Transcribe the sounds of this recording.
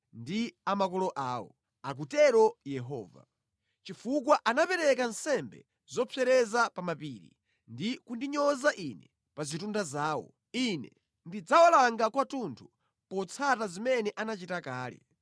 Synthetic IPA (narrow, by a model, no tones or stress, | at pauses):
ndiamakɔlɔʔaːwɔ̰ | ak̬utɛɾɔjɛɦɔːva̰ | t͡ʃifuk̬waʔanapɛɾɛkansɛmbɛ̰ | zɔpʰɛɾɛzapamapiːɾḭ | ndikundiɲɔzaʔinɛ | pazitundazaːwɔ̰ | inɛ | ndid͡zawalaŋɡakwatuntʰu̥ | pɔt͡sʰatazimɛnɛʔanat͡ʃitakaːlɛ̰